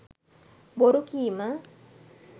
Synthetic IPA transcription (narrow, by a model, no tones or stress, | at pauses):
boɾukiːmə